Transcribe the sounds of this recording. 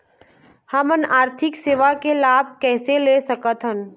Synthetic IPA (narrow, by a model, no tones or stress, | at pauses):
həmənaːɾt̪ʰɪkseːʋakelaːb̚ʱkɛːseleːsɐkət̪ɦən